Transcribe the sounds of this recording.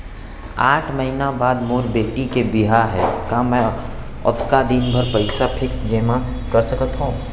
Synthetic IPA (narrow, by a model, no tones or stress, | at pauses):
aːʈʰməɦinabaːd̪moːɾbeːʈikebiɦaɦɛːkamɛ̃ | ʊ̰t̪ʰkad̪inbʱəɾpəɪsapʰɪksd͡ʒeːmã | kəɾsəkət̪ɦũː